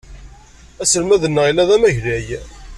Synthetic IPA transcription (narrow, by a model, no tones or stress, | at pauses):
æsəlmæðənːəilːæðæmæʝlæj